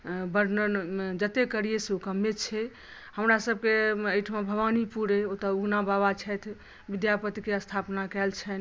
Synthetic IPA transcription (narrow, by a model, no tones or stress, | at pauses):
bəɾnəd͡ʒət̪ekəɾijeseukəmːet͡ʃʰɛ | həmɾasəb̚keəjʈʰmebʱəʋanipuɾeot̪əunabaβat͡ʃʰɛt̪ʰ | bid̪japət̪ikeəst̪ʰapnakɛlt͡ʃʰɛn